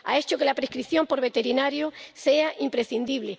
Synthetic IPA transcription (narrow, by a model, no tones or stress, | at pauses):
a̰e̞t͡ʃoke̞lapɾehkɾiθjo̞mpo̞ɾβe̞t̪e̞ɾinaɾjose̞aʔimpɾe̞θind̪iβle